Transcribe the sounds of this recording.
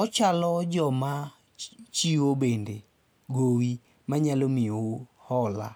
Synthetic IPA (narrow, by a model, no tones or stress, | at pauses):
ɔt͡ʃalɔd͡ʒɔma | t͡ʃiobende | ɡowi | maɲalomɪo | hɔla